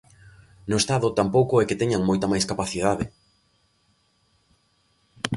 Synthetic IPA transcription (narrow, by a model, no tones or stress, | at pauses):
nʊest̪aðʊt̪ampowkʊɛkɪt̪ɛɲaŋmojt̪amajskapaθiðaðɪ